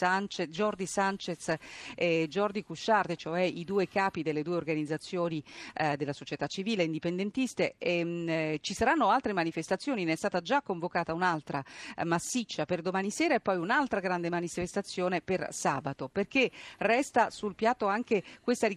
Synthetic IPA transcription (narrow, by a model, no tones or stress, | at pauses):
ant͡ʃed͡ʒɔrd͡ʒisant͡ʃet̪sed͡ʒɔrd͡ʒikuʃard̪et͡ʃoɛid̪uːekaːpid̪elːed̪uːeorɡanid̪zːat̪sːjoːnid̪elasot͡ʃet̪at͡ʃːiviːleind̪ipend̪ent̪ist̪eɛt͡ʃisaɾanːoalt̪ɾemanifest̪at̪sːjoːninɛst̪aːt̪ad͡ʒakːoɱvokaːt̪aunalt̪ɾamasːit͡ʃːaperd̪omaːniseːɾaepːɔjunalt̪ɾaɡɾand̪emanifest̪at̪sːjoːnepersaːbat̪operk̟erɛst̪asulpjat̪ːoaŋkekwest̪aɾi